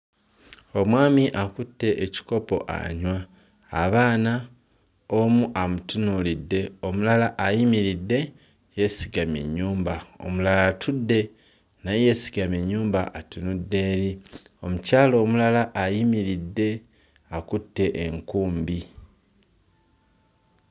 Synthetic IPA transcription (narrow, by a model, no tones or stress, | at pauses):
o̞mwaːmiʔakutːe̞ʔːci̥ko̞po̞̰ʔa̰ɲwaː | βaːna | o̞muʔamutunulidːe̞o̞mulalaʔajimiɾidːe̞ | je̞siɡame̞̰ɲːuːmbao̞̰mulalatʰudːe̞ | naje̞ːsi̥ɡame̞ɲːuːmba̰ʔatunudːe̞ːɾi | o̞mucaːlo̞ːmulalaʔːjimiɾidːe̞ | akutːe̞ʔeŋkuːmbi